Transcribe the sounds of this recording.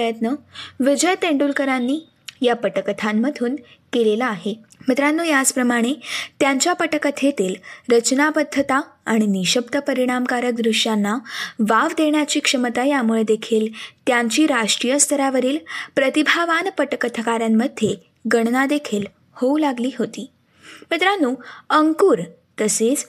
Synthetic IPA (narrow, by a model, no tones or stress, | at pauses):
əjət̪nəʋid͡ʑəjt̪ẽɳɖulkəɾanːiː | japəʈəkət̪ʰamːəd̪ʱuːnkelelaːɦemət̪ɾanːuːjad͡zpɾəmaɽ̃et̪jaɲt͡ɕjapəʈəkət̪ʰet̪iːlɾət͡ɕnabəd̪ʱːət̪aaɽ̃iniɕəbd̪əpəɾiɽ̃amkaɾək̚d̪ɾuʂjanːaʋaʋd̪eɳjat͡ɕiːkʂəmət̪ajamuɭed̪ekʰiːlt̪jaɲt͡ɕiːɾaʂʈɾijəst̪ʰəɾaʋəɾiːlpɾət̪ibʱaʋanpəʈkət̪ʰəkaɾjamːəd̪ʱːje | ɡəɳnad̪ekʰiːl | houlaɡliːɦot̪iː | mit̪ɾanːuːəŋkuːɾ | t̪əset͡s